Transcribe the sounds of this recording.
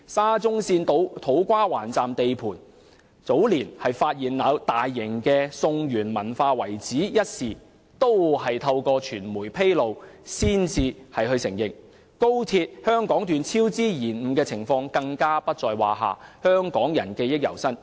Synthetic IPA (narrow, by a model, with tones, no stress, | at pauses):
saː˥t͡sʊ˥ŋsiː˧nt̪o˨˥wt̪ʰo˨˥wkʷaː˥wa̰ː˨˩nt͡saː˨mt̪e˨jpʰuː˨˩n | t͡so˨˥wliː˨˩nhɐ˨jfaː˧t̚jiː˨nlaː˨˧wt̪aː˨jːɪ˨˩ŋkɛː˧sʊ˧ŋjyː˨˩nmɐ˨˩nfaː˧wɐ˨˩jt͡siː˨˥jɐ˥t̚siː˨ | t̪o˥wɦɐ˨jt̪ʰɐ˧wkɔː˧t͡ʃʰyː˨˩nmuː˨˩jpʰe˥jlo˨wsiː˥nt͡siː˧hɐ˨jɦɵ˧ɥsɪ˨˩ŋjɪ˨ŋ | ko˥wt̪ʰiː˧t̚hœː˥ŋkɔː˨˥ŋt̪yː˨nt͡sʰiː˥wt͡siː˥jiː˨˩nm̩˨˧kɛː˧t͡sʰɪ˨˩ŋfɔː˧ŋkɐ˧ŋkaː˥pɐ˥t̚t͡ʃɔː˨jwaː˨ɦa̰ː˨hœː˥ŋkɔː˨˥ŋjɐ̰˨˩nkɛː˧jɪ˥k̚jɐ̰˨˩wsɐ˥n